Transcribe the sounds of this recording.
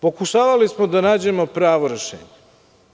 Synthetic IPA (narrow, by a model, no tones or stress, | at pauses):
po̞kuʃaːʋalismo̞d̪anaːd͡ʑe̞mo̞pɾaːʋoɾeʃḛːɲe